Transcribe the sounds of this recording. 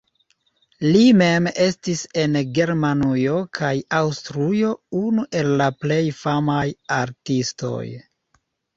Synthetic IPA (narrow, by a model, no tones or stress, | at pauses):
lime̞me̞stise̞nɡe̞ɾmanujo̞kʰajawstɾujo̞unuʔe̞lːaple̞jfamajaɾtisto̞̰j